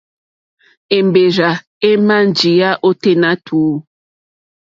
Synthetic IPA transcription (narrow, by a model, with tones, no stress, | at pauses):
e˨mbe˨ɾa˨ | e˦ma˦n˨d͡ʒi˨ja˦ʔo˦te˦na˦tʰuː˨˦